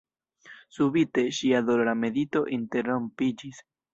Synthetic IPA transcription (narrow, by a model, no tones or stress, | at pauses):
subite̞ʃiadolɾame̞dito̞ʔinte̞ɾompid͡ʒis